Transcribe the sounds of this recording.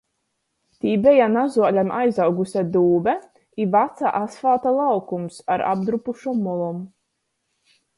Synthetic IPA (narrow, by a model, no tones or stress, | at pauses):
t̪iːbɛjanazuɔlʲamʔajzawɡusʲad̪uːbɛ | ivat̪sa̰ʔasfaːt̪alˠawkumsaɾa̰b̚d̪ɾupuʃɔmɔlˠɔm